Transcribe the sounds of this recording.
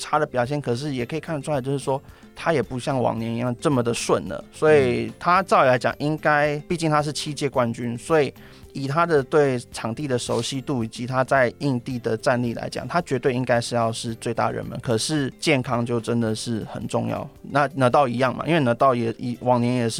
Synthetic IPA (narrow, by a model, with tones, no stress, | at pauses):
ʈ͡ʂʰa˥d̪ə˨˩pjɑ˨ʊɕjɛ˥˩nkʰɤ˨˩ʂ̬ɻ̩˥˩jɛ˨˩kʰɤ˧˥i˨˩kʰa˥˩nʰ˩u˥˧a˧˥t͡ɕjo˥˧ʊʂɻ̩˥˩ʂwɔ˦˥ | t̪ʰa˥jɛ˨˩pu˧˥ɕjɑ˥˩ŋwɑ̰˨˩ŋnjɛ˧˦ni˨˧˥jɑ˥˧ŋʈ͡ʂə˥˩mə˨d̪ə˨swə˥˩nlə̰˩swɔ˧˥i˨t̪ʰa˦t͡sɑ˥˩ʊ˨˩la˧˥ɪt͡ɕjɑ̰˨˩ŋʔi˦˥ŋka˥ɪpi˥˧t͡ɕi˥˩ŋt̪ʰa˥ʂ̬ɻ̩˥˩t͡ɕʰi˥t͡ɕjɛ˥˧kwa˦nt͡ɕy˦nswɔ˧˥i˨˩ | i˨˩t̪ʰa˦˥d̪ə˨t̪we˥˩ɪʈ͡ʂʰɑ˨˩ŋt̪i˥˩d̪ə˩ʂo˧˥ʊɕi˦t̪u˥˩i˨˩t͡ɕi˧˥t̪ʰa˥t͡sa˥˧ɪi˥˧ŋt̪i˥˩d̪ə˩ʈ͡ʂa˥˧nli˥˩la̰˧˥ɪt͡ɕjɑ̰˨˩ŋt̪ʰa˥t͡ɕɥɛ˧˥t̪we˥˩ɪi˦˥ŋka˥ɪʂɻ̩˥˧jɑ˥˧ʊʂɻ̩˥˧t͡swe˥˧ɪt̪a̰˥˩ɻə̰˧˦nmə̰˨˦nkʰɤ˨˩ʂɻ̩˥˧t͡ɕjɛ˥˩nkʰɑ˥ŋt͡ɕjo˥˩ʊʈ͡ʂə˦nd̪ə˨ʂɻ̩˥˩xə̰˨˩nʈ͡ʂʊ̰˥˧ŋjɑ̰˥˩ʊna˥˨nɤ˧˥t̪ɑ˥˩ʊi˧˥jɑ˥˩ŋma̰˨˩ʔi˥nwe˥˩ɪnɤ˧˥t̪ɑ˥˩ʊjɛ˨˩i˧wɑ˨˩ŋnjɛ˧˦njɛ˨˩ʂɻ̩˥˩